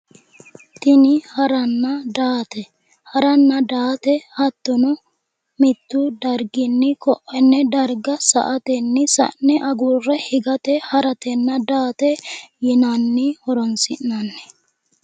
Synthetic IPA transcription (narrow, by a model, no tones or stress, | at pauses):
t̪ɪnɪhɐɾɐnːɐd̪aːt̪ɛ | hɐɾɐnːɐd̪aːt̪ɛhɐt̪ːɔnɔ | mɪt̪ːʊd̪ɐɾɡɪnːɪkɔʔːɛnːɛd̪ɐɾɡɐsɐ̰ʔɐt̪ɛnːɪsɐ̰nːɛʔɐɡurːɛhɪɡɐt̪ɛhɐɾɐt̪ɛnːɐd̪aːt̪ɛjɛnanːɪhɔɾɔnsɪnːɐnːɛ̥